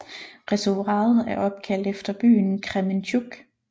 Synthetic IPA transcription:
ʁɛsoʁɑ̰̈ːð̩ˠæɐʔɒ̽b̥̚kʰæl̰d̥efd̥ɐb̥y̰ːnkʰʁɛment͡ɕʰuɡ̥

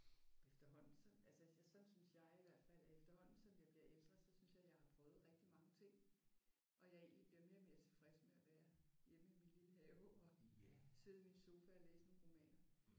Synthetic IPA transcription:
efd̥ɐɦɒ̽n̰n̩sɒ̽ælsəjsɒ̽nsynsjɑ̈ɪiʋæɐ̰d̥fæl̰efd̥ɐhɒ̽n̰n̩sɒ̽mjɑ̈ɪb̥liɐ̰ʔeld̥ʁɐðˠsɒ̽synsjɑ̈ɪjɑ̈ɪhɑ̈pʰʁœːð̩ˠʁɛɡ̥̚d̥imɑ̈ŋət͡sʰe̝ŋ̰ | ʔɒ̽jɑ̈e̝̰ːnlib̥liɐme̝ːɐme̝ɐt͡sʰe̝fʁɛsəmeæʋæːɐjem̰əiminliləhɛʊɒ̽se̝ð̩ˠiminso̝ːfæɒleːsənonʁo̝mɛ̰ːnɐ

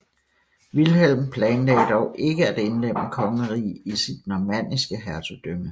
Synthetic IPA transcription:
ʋilɦel̰mpʰlɛːnlɛ̰ːɪd̥ɒʊʔe̝ɡ̥əæd̥e̝nlem̰əkʰɒ̽ŋəʁḭːisid̥̚nɒmæn̰isɡ̥əɦæɐt͡sʰud̥ømə

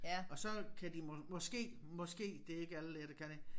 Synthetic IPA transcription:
ɒ̽sɒ̽kʰæd̥imɔmɒ̽sɡ̥e̝̰ː | mɒ̽sɡ̥e̝̰ːd̥e̝e̝ɡ̥əæləleɾ̥əkʰæne

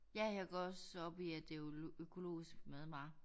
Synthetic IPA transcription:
jæheɡ̥ɔsɒb̥iæd̥e̝økʰo̝lo̝̰ːisɡ̥meðˠmɑ̈ɪ

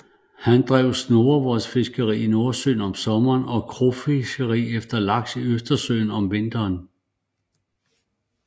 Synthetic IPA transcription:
hænd̥ʁɛʊsno̝ːɐʋɒsfe̝sɡ̥əʁḭːino̝ɐsø̰ːnɒ̽msɒ̽mɐːnɒ̽kʰʁofesɡ̥əʁḭːefd̥ɐlɑ̈ɡ̥siøsd̥ɐsø̰ːn̩ɒ̽mʋe̝nd̥ɐːn

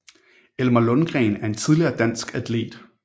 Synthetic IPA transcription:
elmælɔnɡ̥ʁɛ̰ːnæɐe̝nt͡sʰið̞ˠliɐːd̥æn̰sɡ̥æd̥ʰle̝̰ːd̥

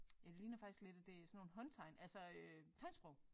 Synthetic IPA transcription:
jɑ̈ɪliːnɐfɑ̈ɡ̥isɡ̥le̝d̥æd̥e̝sɒnːo̝ːn̩ɦɒ̽nt͡sʰɑ̈ɪnʔælsɒøt͡sʰɑ̈ɪ̰nsb̥ʁɔʊ

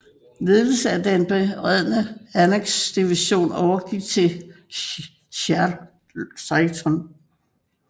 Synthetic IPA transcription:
le̝ðˠl̩əsəæd̥enb̥e̝ʁɛð̞̰ˠnəæneɡ̥sd̥iʋiɕo̝̰ːnɒʊɐɡ̥iɡ̥̚t͡sʰe̝ | ɕæɐ | sɑɪt͡sʰɔn

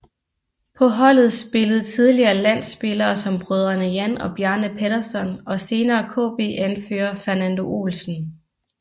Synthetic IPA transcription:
pʰɒ̽ɦɒ̽l̰ð̩ˠsb̥e̝ləð̞̩ˠt͡sʰið̞ˠliɐːlæn̰sːb̥e̝lɐːsɒ̽mb̥ʁœð̞ˠɐnəjænɒ̽b̥jæɐnəpʰed̥ɐsɒ̽nɒ̽se̝ːnɐːkʰɔ̰̽ːb̥e̝̰ːʔænføːɐfæɐnænd̥o̝ʔṵlsn̩

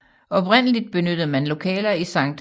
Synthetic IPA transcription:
ɒ̽b̥ʁen̰əlid̥̚b̥e̝nød̥ð̩ˠmænlo̝kʰɛ̰ːlɐisɑ̈ŋ̰d̥

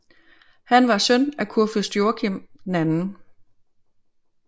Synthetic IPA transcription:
hænʋɑ̈sœnækʰuɐføsd̥jo̝ɐkʰem̰d̥nænn̩

